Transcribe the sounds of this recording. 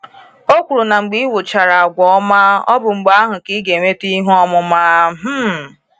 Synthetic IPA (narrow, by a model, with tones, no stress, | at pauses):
o˦kʷu˨ɾu˨na˨ŋ͡m̩˨ɡ͡bi˦wo˨t͡ʃa˨ɾa˨a˨ɡʷɔ˨˦ɔ˦ma˦ɔ̰˦bʊ˨ŋ͡m̩˨ɡ͡ba˦ɦʊ˨ki˦ɡe˨me˦ti˦ɦɔ˦mʊ˦maː˦ɦ̩˦